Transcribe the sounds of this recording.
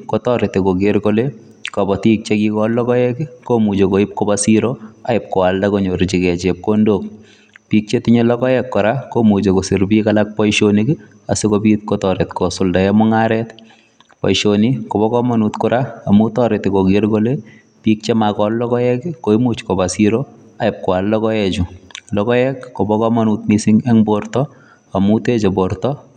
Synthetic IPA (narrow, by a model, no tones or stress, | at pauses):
kotɔɾɪtekoɡeɾkole | kɔbɔtik̚t͡ʃekikɔllɔkɔjɛkɪkomut͡ʃekoɪp̚kobasiɾoaɪp̚kɔaldakoɲoɾɪt͡ʃikɛt͡ʃɛp̚kondok̚ | pik̚t͡ʃetɪɲelɔkɔjɛkːɔɾakomut͡ʃekosɪɾbikalak̚pɔjʃonikɪ | asekopit̚kɔtɔɾetkosʊldaɛmʊŋaɾɛt | pɔ̰jʃonikɔbɔkɔmanutkʊɾaːmutɔɾetikoɡɪɾɡole | pik̚t͡ʃemakɔllɔkɔjɛkikoimut͡ʃkobasiɾo | aɪp̚kwallɔkɔjɛt͡ʃʊlɔkɔjɛkkobɔkɔmanut̪̚misiŋɛŋbortɔ | amutet͡ʃebɔɾtɔ